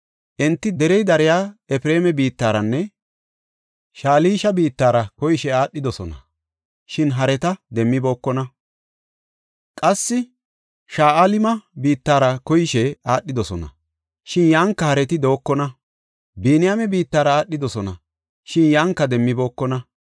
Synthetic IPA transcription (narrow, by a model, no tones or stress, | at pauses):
ʔɛnt̪ːɪd̪ɛɾɛjd̪ɐɾɪjaːɛfɪɾeːmɛbiːt̪ːaːɾɐnːɛ | ʃaːliːʃɐbiːt̪ːaːɾɐkɔjɪʃɛaːɗːɪd̪ɔsɔnɐ̰ | ʃɪnɦɐɾɛt̪ɐd̪ɛmːɪbo̞ːkːɔnɐ | kʼɐsːɪ | ʃaːʔalɪmɐbiːt̪ːaːɾɐkɔjɪʃɛaːɗːɪd̪ɔsɔnɐ̰ | ʃɪnjaːŋkːɐhɐɾɛt̪ɪd̪o̞ːkːɔnɐ | biːnɪjamɛbiːt̪ːaːɾɐaːɗːɪd̪ɔsɔnɐ̰ | ʃɪnjaːŋkːɐd̪ɛmːɪbo̞ːkːɔnɐ